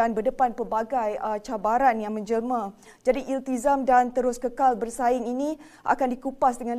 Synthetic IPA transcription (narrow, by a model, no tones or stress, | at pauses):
anbədəpanpərbaɡajət͡ʃabaɾanjaŋmə̃ɲd͡ʒəlmã | d͡ʒadiʔilt̪izamdant̪əɾʊskəkalbərsaɪŋinĩ | ʔa̰kandikupasdəŋãn